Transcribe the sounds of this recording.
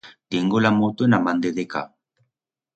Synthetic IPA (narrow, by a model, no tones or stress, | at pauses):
deŋɡolamot̪enamand̪eðeka̰